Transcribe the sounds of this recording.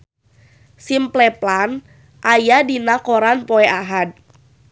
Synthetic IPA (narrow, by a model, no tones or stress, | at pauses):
simplɛplan | ʔajadinakɔɾanpɔɛʔaɦad̚